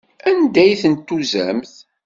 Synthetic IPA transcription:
ænd̪æjθənt̪ːuzæ̰mθ

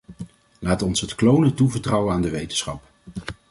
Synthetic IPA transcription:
laːtɔnsɦətklownətuvəɹtrɑwənaːndəʋejtən̥sχɑ̰p

